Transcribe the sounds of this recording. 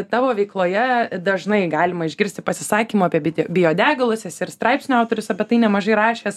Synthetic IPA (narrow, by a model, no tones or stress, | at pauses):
t̪ɑːʋoːʋʲɛɪklˠoːjɛd̪ɐʒnɐɪɡɑːlʲɪmɐɪʒʲɡʲɪɾʲsʲt̪ʲɪpɐsʲɪsɑːkʲimuːɑːpʲiɛbʲɪd̪ʲbʲɪjoːd̪ʲæːɡɐlˠʊsʲɛsɪrst̪ɾɑɪpsʲnʲʊaʊt̪oːɾʲʊsɐpʲɛt̪ɐɪnʲɛmɐʒɐɪɾɑːʃʲeːs